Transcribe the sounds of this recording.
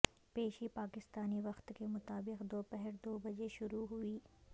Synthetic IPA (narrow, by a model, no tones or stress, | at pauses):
peːʃipaːkɪst̪aːniʋɐxt̪kemʊt̪aːbɪqd̪oːpɛɦɛɾd̪oːbɐd͡ʒeʃʊɾuɦʊiː